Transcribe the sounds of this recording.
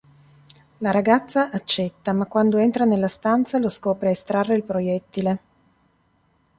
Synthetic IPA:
laɾaɡat̪sːaʔat͡ʃːɛt̪ːamakːwand̪oent̪ɾanelːast̪ant̪saloskɔːpɾeest̪ɾarːeilpɾojɛt̪ːile

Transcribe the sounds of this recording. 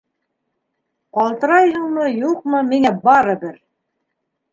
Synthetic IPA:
qɑlˠt̪ɤ̆ɾɑjhɤɴmɤjuq̚mɤmiŋæbɑɾɤ̆bɘɾ

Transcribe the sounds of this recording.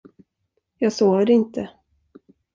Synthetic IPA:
jɑːɡsoːvəɾɪnt̪ʰə

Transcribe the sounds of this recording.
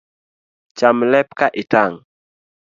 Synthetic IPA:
t͡ʃamlɛp̚kaʔitaŋ

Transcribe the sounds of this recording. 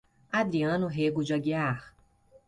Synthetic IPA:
ad̪ɾiɐ̃nʊɦeɡʊd͡ʒaɡiaɾ

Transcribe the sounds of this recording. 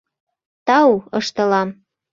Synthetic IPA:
t̪ɑuɤʃt̪ɤ̆lɑm

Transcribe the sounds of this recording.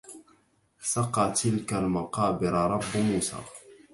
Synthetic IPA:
sɑqɑːt̪ɪlkalmɑqɑːbɪɾɑɾˤɑbːʊmusɑ̰ɾˤ

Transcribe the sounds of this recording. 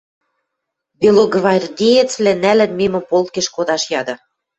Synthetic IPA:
belˠoɡvɑrʲd̪ʲejet͡svlænælɘ̆nmemɘ̆polˠt̪̚keʃkod̪ɑʃjɑd̪ɤ̆

